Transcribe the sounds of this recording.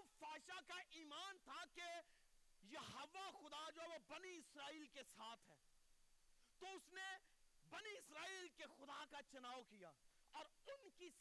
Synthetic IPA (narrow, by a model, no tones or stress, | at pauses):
faːʃakaʔiːmaːnt̪ʰake | jɐɦoʋaxʊd̪ad͡ʒoːɦɛʋobɐniɪsɾaːiːlkesaːt̪ʰɦɛː | t̪oʊsnebɐniɪsɾaːiːlkexʊd̪akat͡ʃʊnaːʋkijaː | ɔːɾʊnki